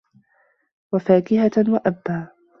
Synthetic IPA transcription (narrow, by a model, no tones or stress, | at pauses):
wafaːkɪhawaʔabːaː